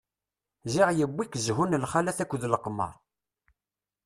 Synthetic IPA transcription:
ziʁjəbːikəzɦunlχalæθækʷːðləqmə̰ɾˤ

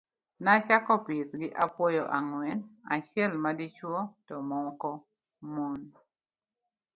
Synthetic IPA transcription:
nat͡ʃakɔpɪtɡɪʔapwɔjɔʔaŋwɛna̰t͡ʃɛlmadɪt͡ʃwɔtɔmɔkɔ | mon

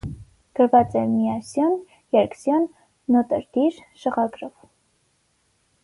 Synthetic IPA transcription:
ɡ̥əɾvɑt͡sɛmiɑsjɔn | jɛɾksjɔnː | ɔt̪əɾd̪iɾʃəʁɑɡɾɔv

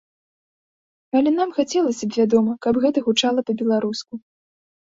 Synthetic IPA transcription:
ɐlʲɛn̪amxat͡sʲɛlˠɐsʲɐbʲvʲad̪ɔmɐkɐbɣɛt̪ɐɣut͡ʂalˠɐpɐbʲɛlˠaɾusku

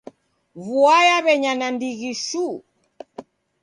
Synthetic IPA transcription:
vuajaβɛɲanandiɣiʃu

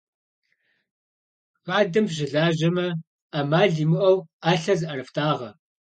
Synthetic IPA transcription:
ʁaːdɨmʒɪɮaːʒɐmɐ | amaːɮiːmɨʔɐwaːɬɐzɨʔɐɾɨftʰaːʁɐ

